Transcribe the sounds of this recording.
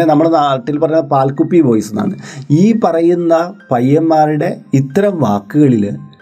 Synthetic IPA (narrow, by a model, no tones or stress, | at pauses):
enɐmːɐɭnaːʈːilpɐrɐjunːɐpaːlkupːipoːjsuna̰ːɳɨ̰iːpɐrɐjunːɐpɐjːɐmːaːɾiɽe̞it̪ːɐɾɐmʋaːkːuɣɐɭil